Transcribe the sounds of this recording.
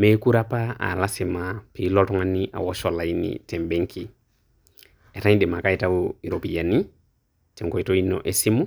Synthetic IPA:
me˦ku˦ɾa˦pa˦a̰˨la˦si˨ma˨pi˨˦lɔ˦tɔ˦ŋa˦ni˦ʔa̰˨wɔ˦ʃɔ˨la˨ji˦nḭ˨tɛ˨mbɛ˦ŋkʰi˨ | ɛ˨ta˦ɲĩ˦de˨ma˨ka˦i˦ta˦wui˨ɾo˨pi˨ja˨ni˦ | tɛ˨ŋkɔ˨i˨to˦i˦nɔ̰˨ʔe˨si˦mu˦

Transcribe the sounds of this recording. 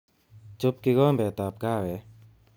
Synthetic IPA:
t͡ʃʊ˨p̚kɪ˨ɡɔ˦˨mbɛ˨t̪a˨p̚ɡa˦˨wɛ˨

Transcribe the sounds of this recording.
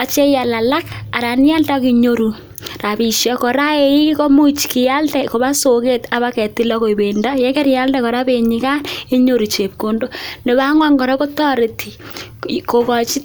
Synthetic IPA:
a˨t͡ʃe˦ja˨la˨la˦ka˨ɾa˨ni˦ja˦lda˦ki˨ɲo˦ɾu˨ | ra˨bi˨ʃjɔ˦ko˨ɾa˦e˦i˦ko˦mu˦t͡ʃki˨ja˦ltɛ˨ko˨βa˦so˨ke˦ta˨βa˦kɛ˨ti˦la˦ko˨i˨be˨nda˦jɛ˦kɛ˦ɾja˦ldɛ˦kɔ˨ɾa˦be˨ɲi˨ka˦ne˦ɲo˦ɾu˨t͡ʃe˨p̚ko˦ndo˦ne˨βa˦ŋwa˦ŋɡɔ˨ɾɛ˦ko˦tɔ˦ɾe˨tʰi˨ | ko˨kɔ˨t͡ʃi˦

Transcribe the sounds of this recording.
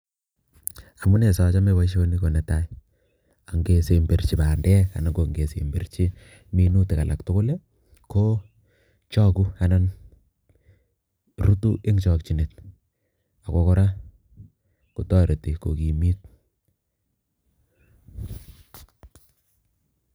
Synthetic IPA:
a˨mu˦ne˨sɔ˨t͡ʃa˦me˦wa˦ʃ̬o˦ni˦ko˨nɛ˨ta˦i | a˨ŋɡe˨se˨mbe˨rt͡ʃi˨baː˨ndɛ˦ka̰˨na˨ɡo˨ŋɡe˨sḛ˨mbe˨rt͡ʃi˦ | mi˦nu˦tɪ˨ka˨lʔa̰˨k̚tʊ˦kʊ˦le˦ | ko˦ | t͡ʃɔ˦ku˦a˨na˦n | ɾu˦tu˦ʔe˦ŋt͡ʃɔ˨kt͡ʃi˨ne˨t̚ | a˨ko˦kɔ˦ɾa˦ | ku˨tɔ˦ɾe˨ti˨ko˨ki˨mi˦t̚

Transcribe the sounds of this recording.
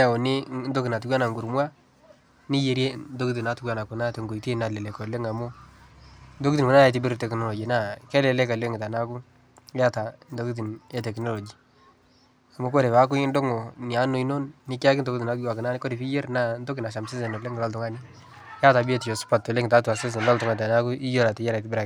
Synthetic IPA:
a˨o˨nɪ˦ndo˦kɪ˨na˨t̬u˦ɡwa˦na˨ŋɡu˨ɾmwa˦ | nɪ˦je˨ɾje˦ndo˦ki˦t̬i˨na˨˦tu˦kwa˦˨na˨kʊ˨na˦te˨ŋɡo˨ite˦na˨lɛ˨le˨kɔ˨le˦ŋa˨mʊ˦ | ndo˦ki˦ti˨ko˨na˦ja˨t̬i˦bɪ˦ɾtɛ˨knɔ˦lɔ˨d͡ʒi˨na˦˨kɛ˦lɛ˨lɛ˦ka˨le˦ŋɡɪ˨ta˨na˦ku˦ | a˦ta˨ndo˦ki˦t̬i˨nɛ˨˦tɛ˨kno˦lɔ˨d͡ʒi˨ | a˨mʊ˦ko˦ɾe˨pa˦k̬ʊ˦ndo˦ŋɔ˨ni˨a˨˦no˨i˦no˦nːi˦ka˦k̬n̩do˦kti˨na˦t̚ɡa˨kɪ˨na˦nɪ˦ko˦ɾe˨pi˦je˦ɾna˦˨ndo˦kɪ˨na˨ʃa˨mse˦sɛ˨no˨le˦ŋ˨lɔ˦ltʊ˦ŋa˦ni˦ | ja˦ta˨bi˦e˦ti˨jo˨spa˨tːo˨le˦ŋɪ˨ta˨˦tu˨a˨se˦s̬n˨lɔ˦ltʊ˨ŋa˨ta˨na˦ku˦ʔi˦jo˦ɾa˨te˨jɛ˦ɾa˨tɪ˦bɪ˦ɾa˨

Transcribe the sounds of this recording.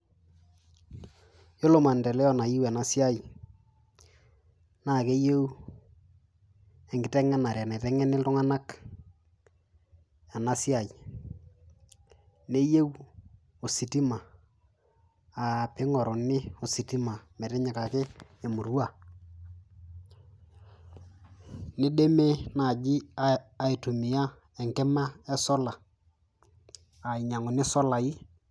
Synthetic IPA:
jo˦lo˨ma˨ndɛ˨lɛ˦ɔ˦na˨ji˦wa˨na˦sja˦j | na˦˨ke˦je˦w | ɛ˨ŋɡɪ˨tɛ˦ŋɛ˦na˨ɾa˨na˨tɛ˦ŋɛ˦nɪ˦ltʊ˦ŋa˦na˦k | a˨na˦sja˨j | ne˦je˦w | o˨si˨ti˦ma˨ | a˨pɪ˦ŋɔ˨ɾo˨nɪ˦o˨si˨ti˦ma˨mɛ˨ɾɪ˦ɲa˨ka˨kɪ˦e˨mu˨ɾwa˨ | nɪ˦de˦me˦na˨d͡ʒɪ˦aː˨i˨tu˨mɪ˨ja˦ | ɛ˨ŋkɛ˦ma˦ɛ˦sɔ˦la˨ | a˨ɪ˨ɲa˨ŋʊ˨nɪ˦sɔ˦la˨ɪ˦

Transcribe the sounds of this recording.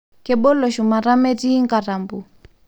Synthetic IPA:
kɛ˨bɔ˦lɔ˨ʃu˨ma˨ɾa˦mɛ˦ti˦ŋka˨ɾa˨mbu˨

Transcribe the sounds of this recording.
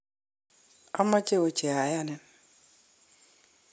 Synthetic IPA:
ɔ˦mɔ˦t͡ʃe˦o˨t͡ʃe˨a˨ja˦nɛ˨n

